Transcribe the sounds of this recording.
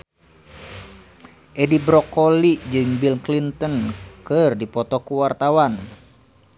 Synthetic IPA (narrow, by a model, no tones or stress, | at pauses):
ʔɛdibɾɔkolid͡ʒɨŋbilklint̪ənkɨrdipɔt̪ɔkuwart̪awan